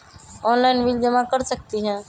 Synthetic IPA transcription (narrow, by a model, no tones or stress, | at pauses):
ɔːnlaɪnʋɪld͡ʒəmãkɐɾsək̚t̪iɦɛ̃ː